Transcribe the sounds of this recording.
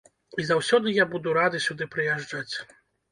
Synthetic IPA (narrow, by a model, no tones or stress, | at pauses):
izawsʲɔd̪ɨjabud̪uɾad̪ɨsʲud̪ɨpɾɨjaʐd͡ʐat͡sʲ